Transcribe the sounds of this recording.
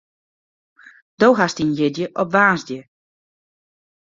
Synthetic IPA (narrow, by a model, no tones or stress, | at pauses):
d̥owɦastinjɪdjəʔɔpʋaːzdjə